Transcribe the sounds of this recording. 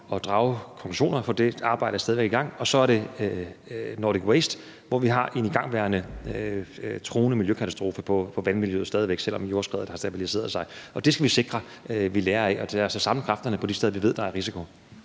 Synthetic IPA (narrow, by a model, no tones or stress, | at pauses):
ɒ̽d̥ʁɑ̈ʊkʰɒɔŋkʰluɕo̝̰ːnɐfɒ̽d̥e̝ɑ̈ːb̥ɑ̈ɪɾ̥ɐsdɛːðiʋe̝ɡ̥iɡ̥ɑ̈ŋ̰ɒ̽sɒ̽æɐɾ̥e̝ | noːdiɡ̥wesd̥ | ʋɒʋiɦɑ̈ʔe̝niɡ̥ɑ̈ŋ̰ʋæːɐnə | t͡sʰʁo̝ːnəmiljøkʰæt͡sʰæsd̥ʁo̝ːfəpʰɒ̽pʰɒ̽ʋænmiljøð̩ˠsɛːðiʋeɡ̥sel̰ɒ̽mjo̝ɐsɡ̥ʁɛðˠɐd̥hɑ̈sd̥æb̥ilise̝̰ːɐðˠsɑ̈ɪʔɒ̽d̥e̝sɡ̥æʋise̝ɡ̥ʁɐ | ʋileːɐɛɒ̽d̥eæɐsɒ̽sɑ̈mləkʰʁɑ̈fd̥ɐnəpʰɒ̽d̥isteðˠɐʋiʋe̝ð̞̰ˠd̥ɑ̈æɐʁisikʰo